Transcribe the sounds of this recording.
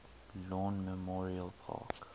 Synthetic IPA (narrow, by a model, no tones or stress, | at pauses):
lɔ̃nmɛmɔɹiəlpʰa̰ːk